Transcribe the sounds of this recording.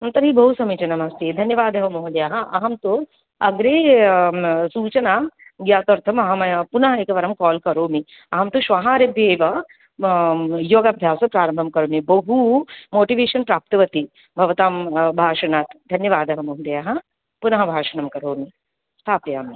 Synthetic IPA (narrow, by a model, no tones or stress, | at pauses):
ɐnt̪ɐɾɦibɐɦusɐmiːt͡ʃɐnɐmɐst̪eːd̪ʱɐnjɐʋaːd̪ɐʋɐmoɦd̪ɐjaːɦɐʔɐɦɐmt̪o | ɐɡɾeː | suːt͡ʃɐnaɡjaːt̪ɐɾt̪ʰɐmɐɦɐmpunɐɦɐeːkɐʋɐɾɐmkɔːlkɐɾoːmi | ɐɦɐmt̪uʃʋaɦaːɾebjeːʋɐ | joːɡɐbʱjaːsɐpɾaːɾɐmbʱɐmkɐɾoːmibɐɦumoːʈiʋeːʃɐnpɾaːp̚t̪ɐʋɐt̪i | bʱɐʋɐt̪aːmbʱaːʃɐnaːt̪d̪ʱɐnjɐʋaːd̪ɐɦɐmoɦud̪ɐjaːɦɐ | punɐɦɐbʱaːʃɐnɐmkɐɾoːmi | st̪ʰaːpjaːmi